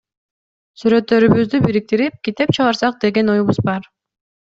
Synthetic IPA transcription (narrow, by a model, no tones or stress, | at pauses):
syɾø̞t̪ːø̞ɾyβyzd̪ybiɾik̚t̪iɾip̚kit̪e̞p̚t͡ʃʰɑʁɑɾsɑq̚d̪e̞ɡe̞nojuβuzbɑɾ